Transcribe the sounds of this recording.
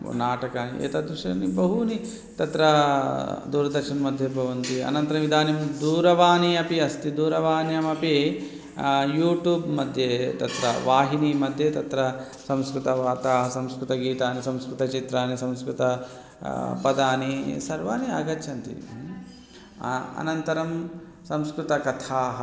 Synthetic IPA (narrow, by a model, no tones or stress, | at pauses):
naːʈɐkaːnḭḛːt̪ɐd̪ɾuʂɐnibɐɦuni | t̪ɐt̪ɾɐ | d̪uːɾɐd̪ɐɾʃɐnɐmɐd̪ʱjɐbʱɐʋɐnt̪iɐ̰nɐnt̪ɐɾɐmʋid̪ʱaːnimd̪uːɾɐʋaːniɐpiɐst̪id̪uːɾɐʋaːnjɐmɐpi | juːʈjuːbmɐd̪ʱjeːt̪ɐt̪ɾɐ̰ʋaːɦinimɐd̪ʱjeːt̪ɐt̪ɾɐ | sɐmskɾut̪ɐʋaːt̪aːɦɐsɐmskɾut̪ɐɡiːt̪aːnisɐmskɾut̪ɐt͡ʃit̪ɾaːnisɐmskɾut̪ɐ | pɐd̪aːnisɐɾʋaːniɐːɡɐt̪ʃɐnt̪ḭ | ɐ̰nɐnt̪ɐɾɐm | sɐmskɾut̪ɐkɐt̪ʰaːɦɐ